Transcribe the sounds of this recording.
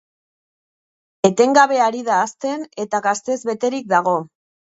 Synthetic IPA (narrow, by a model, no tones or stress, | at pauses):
e̞t̪e̞ŋɡaβ̞e̞aɾiðaːst̪e̞ne̞t̪aɣast̪e̞zβe̞t̪e̞ɾik̚d̪aɣ̞o̞